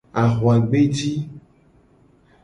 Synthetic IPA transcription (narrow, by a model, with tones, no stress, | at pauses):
a˨ɣwa˨ɡ͡be˦d͡ʒi˦